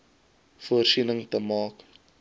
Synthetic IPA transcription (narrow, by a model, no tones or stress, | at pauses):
fuərsinəŋtəmɑːk